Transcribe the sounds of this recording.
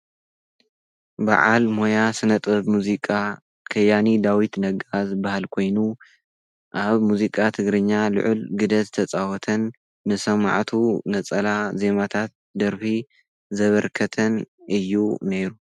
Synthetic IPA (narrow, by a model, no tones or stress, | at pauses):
ba̰ʕalmo̞jasɨnɐt̪ʼɐβmuzikʼa | kʰɐjːanid̪awit̪nɐɡazɨbːahalkʰo̞jnu | ʔaβmuzikʼat̪ʰɨɡɾɨɲːalʊ̰ʕʔʊlɡɨd̪ɐzɨt̪ʰɐt͡sʼawɔt̪ʰɐnː | ɨsɐma̰ʕt̪ʰunɐt͡sʼɐlaze̞mat̪ʰat̪̚d̪ɐɾfi | zɐβɐɾkʰɐt̪ʰɐnɨjːune̞ɾu